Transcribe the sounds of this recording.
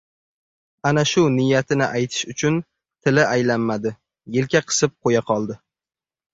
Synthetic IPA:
anaʃʊnɪjːat̪ʰɪnɪʔajt̪ʰɪ̥ʃʊt͡ʃʰʊn | t̪ʰɪlɪajlanmad̪ɪ | jɪlkʲʰaqʰɨ̥sɪp̚qʰojaqʰɒlˠd̪ɪ

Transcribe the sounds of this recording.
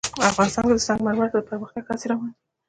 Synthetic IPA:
afɣɑnɪst̪ɑnked̪əzaŋɡmaɾmat̪ad̪əpəɾməxt̪jaɡhɑseɾɑwɑnd̪i

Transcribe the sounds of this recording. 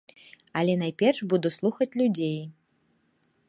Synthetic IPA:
ɐlʲɛnajpʲɛrʂbud̪uslˠuxɐt͡sʲlʲud͡zʲej

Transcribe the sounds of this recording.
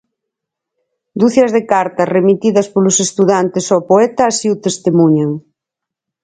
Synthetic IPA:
d̪uθɐzðekaɾt̪ɐremit̪iðɐspolʊsest̪uðant̪esopoɛt̪ɐːsiʊt̪est̪emuɲaŋ

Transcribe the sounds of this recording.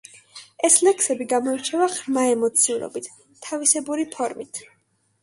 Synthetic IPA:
ɛslɛksɛbiɡamɔit͡ʃʰɛvaʁɾmaɛmɔt̪sʰiuɾɔ̰bit̪ʰ | tʰːavisɛbuɾipʰɔɾmit̪ʰ

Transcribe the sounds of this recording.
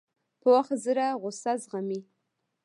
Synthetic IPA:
pəwaχt̪zəɾaʁʊsazʁami

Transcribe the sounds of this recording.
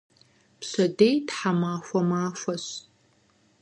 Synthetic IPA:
psɐdejtħamaːfʷɐmaːfʷɐɕ

